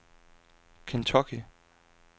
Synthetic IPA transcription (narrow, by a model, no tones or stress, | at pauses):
kʰent͡sʰɔkʰi